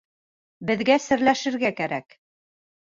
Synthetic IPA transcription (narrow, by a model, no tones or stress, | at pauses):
bɘ̆ðɡæsɘ̆ɾlæʃɘ̆ɾɡækæɾæk